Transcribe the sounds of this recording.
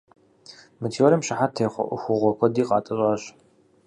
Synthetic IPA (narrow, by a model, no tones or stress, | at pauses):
mɨtʰiːwɐɾɐmɕɪħatʰeːχʷɔ̰ʔʷʊxʷʊʁʷɔkʷʰɔdiːqɑ̰ːtʼɐɕʷʼɑːɕ